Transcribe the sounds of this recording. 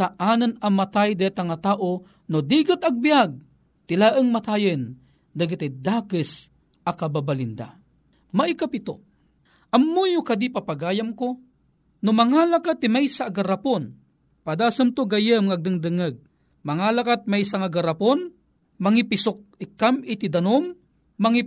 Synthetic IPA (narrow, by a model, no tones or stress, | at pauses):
saʔaːnɨnɐmat̪ajd̪ajat̪aŋat̪aːʔo | nod̪iːɡat̪ɐɡ̚bijaɡ̚ | t̪ɪlaʔəŋmat̪ajɨn | d̪aɡat̪ɪd̪aːkəs | akababalɪnd̪a̰ | maʔikapɪt̪o̰ | ʔɐmːujʊkad̪ipapaɡaːjamko | nomɐŋalakat̪ːɪmajsaːɡaɾapon | pad̪aːsɨmt̪oɡajəmŋaɡ̚d̪ɨŋd̪ɨŋəɡ̚ | mɐŋalakat̪̚majsaŋaɡaɾapon | mɐŋipɪsʊk̚ɪkːamɪt̪id̪ɐnomː | aŋi